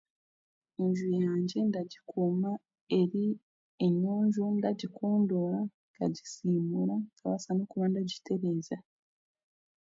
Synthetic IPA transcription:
iɲʒujaːɲɟe̞ndaɟikʰuma | e̞ɾi | eɲuːɲɟundaɟikʰoːndolaŋɡaɟisiːmulaŋɡaβa̰sanukuβandaɟitʰe̞ɾe̞ːza

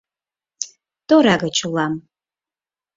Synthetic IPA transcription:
d̥oɾaɡɐt͡ʃʰulam

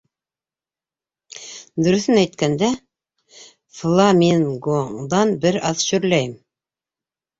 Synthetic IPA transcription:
d̪ɵ̆ɾɵ̆θɘnæjt̪kænd̪æ | flˠɑminɡoŋd̪ɑnbɘɾɑðʃɵ̆ɾlæjɘm

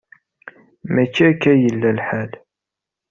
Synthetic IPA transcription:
mæt͡ʃːækːæjəlːælħal

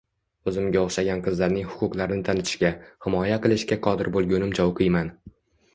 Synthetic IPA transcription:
ɵzɪmɡʲaoχʃaɡʲanqʰɨzlaɾnɪŋhʊ̥qʰʊqlˠaɾnɪt̪ʰanɪt̪ʰɪ̥ʃkʲahɪmɒjaqɨlˠɪʃkʲaqʰɒd̪ɪɾbolˠɡʲʊnɪmd͡ʒɒwqʰɨjman

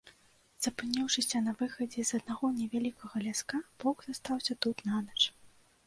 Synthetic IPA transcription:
z̥ɐpɨnʲɛwʂɨsʲɐnɐvɨxɐd͡zʲɛzɐd̪̚naɣɔnʲɛvʲalʲikʰɐɣɐlʲaskab̥ɔɡzast̪awsʲɐt̪ut̪nanɐt͡ʂ

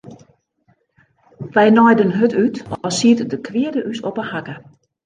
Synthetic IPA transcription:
ʋɛjnɔjdənɦøtytɔsiətdəkʰʋɪədəʔysopəhakə

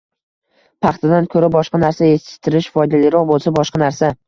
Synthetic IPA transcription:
pʰɑχt̪ʰad̪ankʰɵɾabɒʃqɑnaɾsajesɪ̥t̪ʰːɪɾɪʃfɒjd̪alɪɾɒq̚bolˠsabɒʃqɑnaɾsa

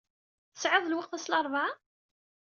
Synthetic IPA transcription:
θsʕɪðˤlwəqθæslɑɾˤva

